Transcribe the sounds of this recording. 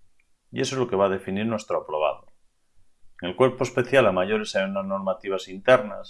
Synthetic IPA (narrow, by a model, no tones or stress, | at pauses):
ies̬oezlokeβ̞aːð̞e̞finiɾnwe̞st̪ɾoapɾoβ̞a̰ðo | eŋelkwe̞ɾpoespe̞θjalamaʝoɾesajunazno̞ɾmat̪iβ̞asint̪eɾna̰s